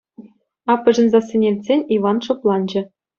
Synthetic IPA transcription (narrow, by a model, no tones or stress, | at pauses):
ɑpːɤ̆ʐɤ̆nzɑsʲĕnʲelʲtʲzʲenʲiʋɑnʂŏplˠɑnd͡ʑɘ̆